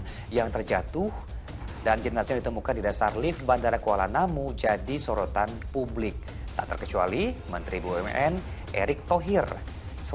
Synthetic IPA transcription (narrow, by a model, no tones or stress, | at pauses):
jaŋt̪ərd͡ʒat̪ʊh | dand͡ʒənasjaŋdit̪əmukandidasarlɪfbandaɾakualanamud͡ʒadisoɾot̪anpublɪk̚ | t̪aʔt̪ərkət͡ʃua̰limənt̪ɾibuɛm̰ʔɛnʔḛɾɪk̚t̪oɦir | sə